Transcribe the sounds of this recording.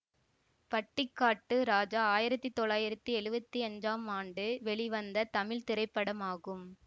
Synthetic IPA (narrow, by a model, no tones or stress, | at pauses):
pɐʈːɪkːaːʈːɯɾaːd͡ʒaːaːjɪɾɐt̪ːit̪ɔɭaːjɪɾɐt̪ːiɛɻɯbɐt̪ːiɐɲd͡ʒaːmaːɳɖɯʋɛɭɪʋɐnd̪ɐt̪ɐmɪlt̪ɪɾɐɪpːɐɽɐmaːɣɯm